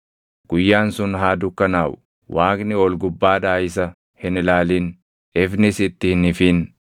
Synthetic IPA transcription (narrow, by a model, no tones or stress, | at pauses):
ɡ̥ʊjːaːnsʊnɦaːd̪ʊkːɐnaːwʊ | wʔaːkʼnɪɔlɡʊbːaːᶑaːɪs̬ɐ | hɪnɪlaːlɪn | ʔɪfnɪsɪt̪ːɪhnɪfiːn